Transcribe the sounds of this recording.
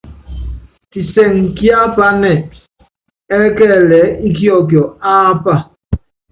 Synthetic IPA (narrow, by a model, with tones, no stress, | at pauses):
ti˨sɛ˨ŋ˨kja˦pa˦nɛ˨ | ɛ˦kɛ˦˨lɛ˨˦i˦ki˦ɔ˦˨k̬jɔ˨a˦pa˦˨